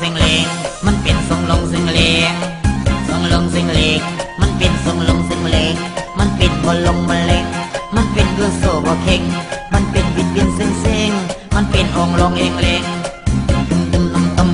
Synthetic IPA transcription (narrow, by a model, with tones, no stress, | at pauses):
e˧ŋlɛ˨˧ŋma˧˥˨npe˨nso˨˧˦ŋlɔ˧ŋse˧ŋlɛ˧ŋsɔ˨˧ŋlɔ˧ŋse˧ŋleː˧ŋma˧˥˨npe˨nso˨˦ŋlɔ˧ŋse˧ŋlɛ˧˦ŋma˧˥˨npe˨nhɔ˨˧nlɔ˧ŋma˧˦nlɛ˧ŋma˧˥˨npe˨nkɤː˧˩˨soː˧˩bɔː˨˧˩kʰe˧˩ŋma˧˥˨npe˨nwi˧˥t̪̚wi˧˥˨nse˧˥˨ŋse˧˩ŋ | ma˧˥˨npe˨nʔɔː˨˧ŋlɔ˧ŋlɛ˧˩ŋlɛ˧ŋ˧ | t̪ɯ˧mlɔ˧ŋt̪ɔ˧˨m